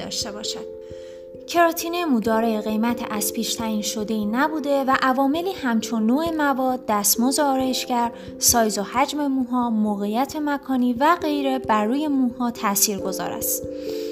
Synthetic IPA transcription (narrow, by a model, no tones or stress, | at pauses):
ɒ̰ːʃt̪e̞bɒːʃæd̪̥ | cʰe̞ɾɒːt̪ʰiːnemuːd̪ɒːɾeɣe̞jmæt̪ʰeʔæz̥pʰiːʃt̪ʰæiːnʃo̞d̪e̞iːnæbuːd̪e̞væʔævɒːme̞liːhæmt͡ʃʰonːoːe̞mævɒːd̪̚ːæst̪moːzeɒːɾjeʃcæɾ | sɒːjzohæd͡ʒme̞muːɦɒːmoːɣejæt̪ʰe̞mækʰɒːniːvæɢe̞jɾe̞bæɾːuːje̞muːhɒːt̪ʰæsiːɾɡo̞zɒ̰ːɾæ̰st̪